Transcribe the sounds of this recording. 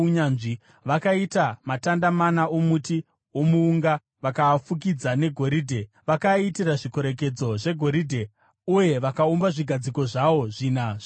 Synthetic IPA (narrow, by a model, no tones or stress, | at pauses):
ɲanʐi | ʋakaitamatandamanaomuti | omuːŋɡa | ʋakafuk̬id͡zane̞ɡʱo̞ɾiːdʱe̞ | ʋakaitiraʐikoɾe̞k̬e̞d͡zo̞ʐe̞ɡʱo̞ɾidʱe̞ | uje̞ʋakaumbaʐiɡʱad͡ziko̞ʐaʋo̞ʐinaʐ